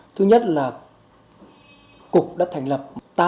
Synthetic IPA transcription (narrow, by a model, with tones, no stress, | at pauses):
t̪ʰɨ˧ɲə˦˥t̚laː˨˩ | kʊ˨˩k͡p̚ɗa̰ː˧˥t̪ʰŋ̟lə˨˩p̚t̪aː˧